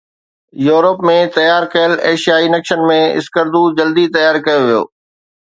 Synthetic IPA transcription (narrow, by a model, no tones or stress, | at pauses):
juːɾəpmẽt̪ɐjaːɾkeəleːʃijaːinɐkʃənmẽɪ̰skəɾd̪ud͡ʑɐld̪it̪ɐjaːɾkɐjoʋijo̰ː